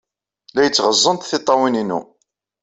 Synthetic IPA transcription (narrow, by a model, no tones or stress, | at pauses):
læjət͡sːʁəzˤːənt̪θɪt̪ˤːɑwininṵ